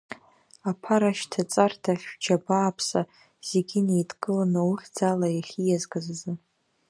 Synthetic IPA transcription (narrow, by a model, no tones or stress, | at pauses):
apʰaɾaʃtʰat͡sʼartʰaχʲd͡ʒabaːpʰsa | z̥eɡʲɪnejdʼɡʼɨlanɨuχʲd͡zalajaχʲijazɡazzɨ